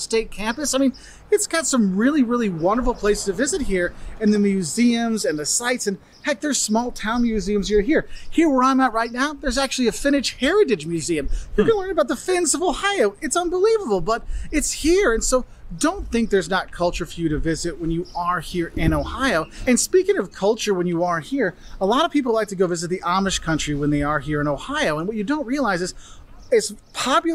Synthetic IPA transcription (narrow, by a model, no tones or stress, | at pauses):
steɪt̚kʰæ̃mpɨsaɪmĩn | ɨtsɡ̥ɑtsʌ̃mɹɪlˠiɹɪlˠiwʌ̃ndə˞fl̩ˠpʰl̥eɪstʰɨvɪzɨt̚hiɹɨ̃nðɨmjʉziɨ̃mzɨ̃nðɨsaɪtsɨ̃n | hɛɪk̚ðə˞z̥smɔlˠtʰãʊ̃nmjʉziɨ̃mzjə˞ɦiɹhiɹwə˞ãɪ̃mnət̚ɹaɪtⁿnaʊðə˞zæk̚t͡ʃʉl̩ˠiɨfɪ̃ñɨʃhɛɹɨɾɨd͡ʒmjʉziɨ̃mjə˞ɡʌ̃nəlɜ̃˞ŋəbaʊt̪̚ðəfɪ̃nzʌvoʊhaɪoʊɨtsʌ̃nbəlivəbl̩ˠbʌɾɨtshiɹɨ̃nsoʊ | dõʊ̃nθɪ̃ŋk̚ðə˞znət̚kʰʌlˠt͡ʃə˞fjʉɾɨvɪzɨt̚wɨ̃njɨə˞hiɹɪ̃noʊhaɪoʊɨ̃nspikɪ̃ŋʌv̥kʰʌlˠt͡ʃə˞wə̃njɨə˞hiɹ | əlɑɾʌv̥pʰip̬l̩ˠlaɪk̚tʰɨɡoʊvɪzɨt̪̚ðiʔɑmɨʃkʰʌ̃nt͡ʃɹ̥iwə̃nðeɪə˞hiɹɨ̃ñoʊhaɪoʊə̃nwʌt͡ʃɨdõʊ̃nt̚ɹiəlaɪzɨz̥ | ɪtspʰɑp